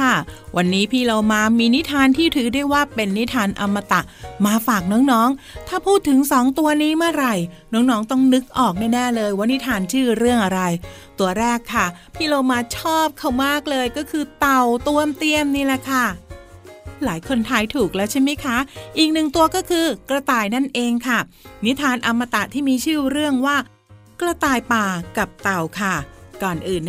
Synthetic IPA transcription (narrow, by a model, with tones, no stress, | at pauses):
kʰa˥˩wa˧nːiː˦˥pʰiː˥˩lo˧wmaː˧miː˧ni˦˥t̪ʰaː˧nt̪ʰiː˥˩t̪ʰɯː˩˦da˥˩jwaː˥˩pe˧nːi˦˥t̪ʰaː˧nʔa˧mːa˧t̪a˨˩ʔmaː˧faː˨˩k̚nɔː˦˥ŋnɔː˦˥ŋ | t̪ʰaː˥˩pʰuː˥˩t̪ʰːɯ˨˩˦ŋsɔː˩˦ŋt̪u˧ɐniː˦˥mɯ˥˩ɐɾa˧j | nɔː˦˥ŋnɔː˦˥ŋt̪ɔ˥˩ŋnɯ˦˥k̚ʔɔː˨˩k̚nɛː˥˩nɛː˥˩lɤː˧jwaː˦˥ni˦˥t̪ʰaː˧nt͡ɕʰɯː˥˩ɾɯ˥˩əŋʔa˧ɾa˧jt̪u˧ɐɾɛː˥˩kʰːa˥˩pʰiː˥˩loː˧maː˧t͡ɕʰɔː˥˩p̚kʰa˥˩wmaː˥˩k̚lɤː˧jkɔː˥˩kʰɯː˧t̪a˨˩wt̪u˧əmt̪i˧˩əmniː˥˩lɛ˧˩kʰa˥˩ | laː˨˩˦jkʰo˧nt̪ʰaː˧jt̪ʰuː˨˩k̚lɛ˦˥wt͡ɕʰa˥˩jma˦˥jkʰa˦˥ʔiː˨˩k̚nɯ˨˩ŋt̪u˧ɐkɔː˥˩kʰɯː˧kla˧t̪aː˨˧jna˥˩nʔeː˧ŋkʰa˥˩ | ni˦˥t̪ʰaː˧nʔa˧mːa˧t̪a˨˩t̪ʰiː˥˩miː˧t͡ɕʰɯː˥˩ɾɯ˥˩əŋwaː˥˩ | kɾa˧t̪aː˧jpaː˨˩ka˨˩p̚t̪a˨˩wkʰa˥˩kɔː˨˩nʔɯː˨˩n